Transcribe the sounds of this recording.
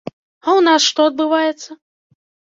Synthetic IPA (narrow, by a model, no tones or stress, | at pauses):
awnasʂt̪ɔɐd̪̚bɨvajɛt̪sːɐ